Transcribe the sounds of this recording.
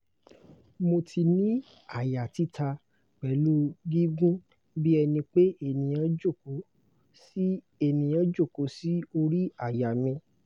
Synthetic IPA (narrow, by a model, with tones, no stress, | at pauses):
mo˧tʰi˧nĩ˦ | a˦˨ja˨ti˦tʰa˧ | k͡pɛ˨lu˦ɡi˦ɡũ˦ | bi˦ɛ˧nĩ˧k͡pe˦e˦˨nĩ˨j̃ã˧˦d͡ʒo˦˨ko˨˦ | si˦ | e˦˨nĩ˨jã˦d͡ʒo˦˨ko˨˦si˦o˧ɾi˦a˦˨ja˨mĩ˧